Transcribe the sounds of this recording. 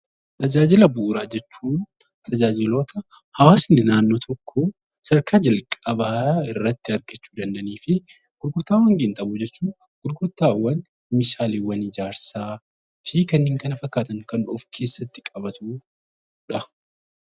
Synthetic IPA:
t̪ʰʼɐd͡ʒaːd͡ʒɪlɐbuːɾaːd͡ʒɛt͡ʃːuːn | t̪ʰɐd͡ʒaːd͡ʒɪlo̞ːt̪ʰɐ | hɐwaːsnɪnaːnːoːt̪ʰɔkʰːɔ | sɐɾkaːd͡ʒɐlkʼɐbaːɪrːɐt̪ːɪɐɾɡɐt͡ʃːu̥ːd̪ɐnd̪ɐniːfɪ | ɡ̥ʊɾɡʊɾt̪ːaːwɐŋɡɪnt̪ɐbʊd͡ʒɛt͡ʃːuːn | ɡ̥ʊɾɡʊɾt̪ːaːwːɐn | mɪʃaːleːwːɐnɪd͡ʒaːɾsaː | fiːkɐnːiːŋkɐnɐfɐkːaːt̪ɐnkɐnᶑʊfkʰe̞ːsːɐt̪ːɪ̥kʼɐbɐt̪uː | ᶑɐ

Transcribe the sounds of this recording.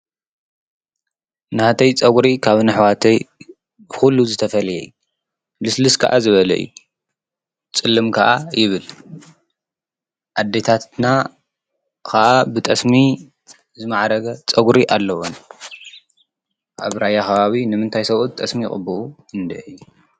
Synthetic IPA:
nɨhat̪ʰɐjt͡sʼɐɡɾikʰaβnɨħwat̪ʰɐj | xulːuzɨt̪ʰɐfɐlɐjɛ̰jːu | lɨslɨskʰɐ̰ʔa̰zɨβɐlɐ̰ɨ̰ju | t͡sʼɨlːɨmkʰɐʔajɪβɨl | ʔad̪ːe̞t̪ʰat̪na | kʰɐʔabɨt̪ʼɐsmi | zɨmaʕɾɐɡɐt͡sʼɐɡuɾiʔalːɐwon | ʔa̰βɾajaxɐβaβinɨmɨnt̪ʰajsɐβut̪̚t̪ʼɐsmikʼɨ̰bɨʔu | ɨnd̪ɐʔɨju

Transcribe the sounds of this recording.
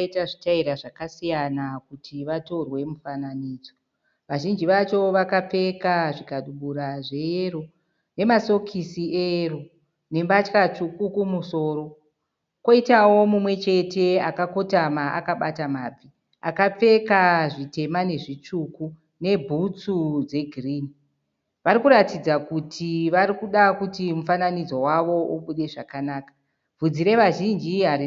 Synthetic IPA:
itaʐitaiɾaʐakasijanakutʰiʋato̞rwe̞mufananiːd͡zo | ʋaʒind͡ʒiʋat͡ʃo̞ʋakap͡fe̞kaʐikaɗuɓuɾaʐe̞jero | ne̞maso̞kʰisiero | ne̞mbat͡ʃkat͡ʃukukumuso̞ːɾo̞ | ko̞itawo̞mumwe̞t͡ʃe̞te̞akako̞tamaʔa̰kaɓatamaːb͡vi | a̰kap͡fe̞kaʐite̞mane̞ʐit͡ʂuku | ne̞bʱut͡sud͡ze̞ɡʱriːni | ʋaɾikuɾatid͡zakutʰiʋaɾikuɗakutimufananid͡zo̞waʋo̞ʔuɓuɗe̞ʐakanaːkḁ | b͡vud͡ziɾe̞ʋaʒind͡ʒiɦaɾi

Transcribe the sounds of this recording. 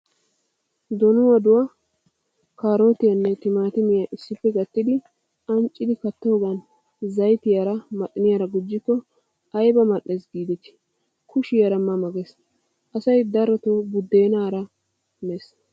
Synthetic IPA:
d̪ɔnʊwɐd̪ʊwɐ | kaːɾo̞ːt̪ɪjɐnːɛt̪ɪmaːt̪ɪmɪjɐʔɪsːɪpːɛɡɐt̪ːɪd̪ɪ | ɐnt͡ʃʼːɪd̪ɪkɐt̪ːoːɡɐn | zɐjt̪ɪjaɾɐmɐt̪ʼːɪnɪjaɾɐɡʊd͡ʒːɪkːɔ | ɐjbɐmɐɗːesɡiːd̪ɛt̪ɪ̥ | kʰʊʃɪjɐɾɐmːɐmɐɡɛs | ʔɐsɐjd̪ɐɾɔt̪oːbʊd̪ːeːnaːɾɐ | mes

